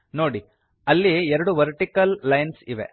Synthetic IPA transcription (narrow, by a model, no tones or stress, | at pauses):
noːɽi | ɐlːiɛɾɐɽuʋɐɾʈikɐlːɐjnsiʋe